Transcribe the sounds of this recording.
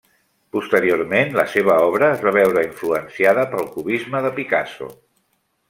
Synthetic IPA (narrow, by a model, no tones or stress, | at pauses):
pust̪əɾioɾmenləseβ̞əɔβ̞ɾəːzβaβ̞ɛwɾəiɱfluənsiaðəpəlˠkuβizməðəpika̰so̰